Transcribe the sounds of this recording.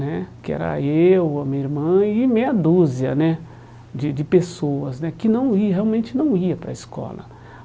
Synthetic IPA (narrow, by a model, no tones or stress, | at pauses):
nɛkɪɛ̰ɾɐ̰ewamĩɐiɾmɐ̃ɪmẽjɐd̪uziɐ̰nɛ | d͡ʒɪd͡ʒɪpesoɐznɛkɪnɐ̃w̃iɐɦeawmẽnt͡ʃɪnɐ̃w̃iɐpɾɐ̰iskɔ̰lɐ̰